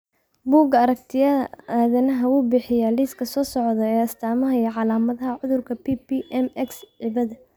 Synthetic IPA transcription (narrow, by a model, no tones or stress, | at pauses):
buːɡɐɾɐkt̪ʰɪjɐʔaːðɐnɐɦɐuːbɪħɪjaliːskʰɐsɔːsɔʕðɔɛːɐst̪ʰaːmɐɦɐiʕɑlaːmɐðɐɦɐʕʊðʊrkʰɐpʰipiʔɛmɛksʕɪβɐðɐ